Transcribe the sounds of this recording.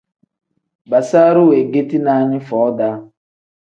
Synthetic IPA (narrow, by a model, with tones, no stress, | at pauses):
ba˨sa˦ɾʊ˦we˨ɡe˦ti˦na˨ɲɪ˦fɔ˨˦ɔ˦da˦